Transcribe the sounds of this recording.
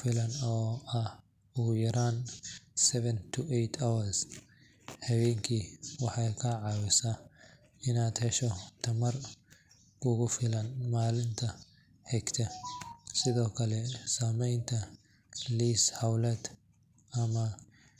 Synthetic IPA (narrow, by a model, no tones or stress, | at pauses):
fɪlɐnɔːɐ | ʊɣʊjɐɾaːnsɛβɛnt̪ʰʊʔɛjt̪ʰawɐɾs | hɐwɛːŋkʰiwɑħɑjkʰɐʕɑːwɪsaː | ɪnaːd̪hɛʃɔt̪ʰɐmɐr | ʊɣʊfɪlɐnmaːlɪnt̪ʰɐ | ħɛɡt̪ʰɐsɪðɔːkʰɐlɛsaːmɛjnt̪ʰɐ | liːshɐwlɛːd̪ | ɐmɐ